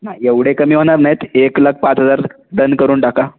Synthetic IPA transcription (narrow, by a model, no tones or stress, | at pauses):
naeʋɽekəmiːʋ̤əɽ̃aɾnajet̪eklək̚pat͡sɦəd͡zaɾ | d̪ənkəɾuːnʈaka